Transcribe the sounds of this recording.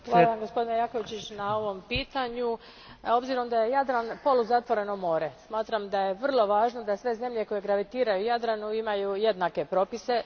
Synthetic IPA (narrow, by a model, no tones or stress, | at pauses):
xʋaaamɡospod̪inejako̞ʋit͡ɕit͡ɕnao̞ʋo̞mpiːt̪aɲu | o̞bziɾo̞md̪aje̞jad̪ɾanpo̞luzat̪ʋo̞ɾe̞nomo̞ːɾesmaːt̪ɾamd̪aje̞ʋr̩lˠo̞ʋaːʒno̞d̪asʋe̞ze̞mʎe̞ko̞je̞ɡɾaʋit̪iːɾajujad̪ɾanuimajuje̞d̪nake̞pɾo̞pise̞